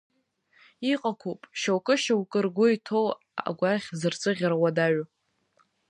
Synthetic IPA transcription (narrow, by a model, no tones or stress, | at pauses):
iqʼakʷʰupʼʃawkʼɨʃawkʼɨrɡʷʊitʰow | a̰ɡʷaχʲzɨrt͡sʼɨʁʲɾawadaɥʊ